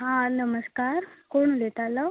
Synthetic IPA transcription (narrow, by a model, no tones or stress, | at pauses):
ɦãnəməskaɾkoɽ̃ulet̪alɔ